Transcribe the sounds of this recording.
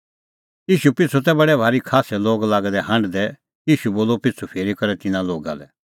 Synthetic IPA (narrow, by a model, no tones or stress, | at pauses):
jiːʃupɪt͡sʰut̪̬ɛbɐɽɛbʱaːɾikʰaːsɛloːɡlaːɡɛd̪ɛɦɐ̃ɳɖd̪ɛ | jiːʃuboːlopɪtt͡sʰupʰeːɾikɐɾɛt̪ɪnãloːɡa̰lɛ̰